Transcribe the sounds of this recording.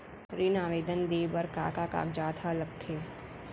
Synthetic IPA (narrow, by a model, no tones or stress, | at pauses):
ɾinaːʋeːd̪ənd̪eːbəɾka̰ːkaka̰ːkd͡ʒaːt̪ʰalɐɡ̚t̪ʰeː